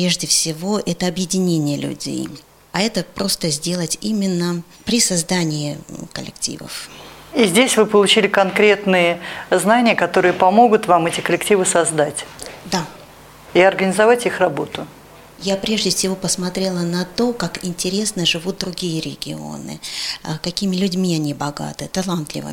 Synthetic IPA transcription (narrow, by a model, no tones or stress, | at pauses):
pʲe̞ʐdʲɪfsʲɪvo̞ʔɛt̪əɐbjɪdʲɪnʲenʲɪjəlʲʉ̰dʲḛj | ɐɛt̪əpɾʔo̞st̪əzʲdʲe̞lˠətʲimʲɪnːə | pɾʲɪsɐzd̪anʲɪɪkəlʲɪ̰ktʲḭvə̰fizʲdʲesʲvɨpəlˠʊt͡ɕilʲɪkɐnkɾʲe̞t̪nɨjəznanʲɪjəkɐt̪o̞ɾɨjəpɐmo̞ɡʊt̪vamɛtʲɪkəlʲɪktʲivɨsɐzd̪atʲd̪a | iɐrɡənʲɪzɐvatʲixrɐbo̞t̪ʊ | japɾʲe̞ʐdʲɪfʲsʲɪvo̞pəsmɐt̪ɾʲe̞lˠənɐt̪o̞kakɪnʲtʲɪɾʲe̞snəʐɨvut̪̚d̪ɾʊɡʲijəɾʲɪ̰ɡʲɪo̰nɨ̰kɐkʲimʲɪlʲʉdʲmʲiɐnʲibɐɡa̰t̪ɨt̪ɐlˠant̪lʲɪ̰vɨ̰